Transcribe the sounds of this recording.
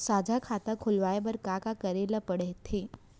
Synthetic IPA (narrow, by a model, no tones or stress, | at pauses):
sad͡ʒʱakʰat̪akʰulʋajbəɾkakakəɾeləpəɽeɦt̪ʰe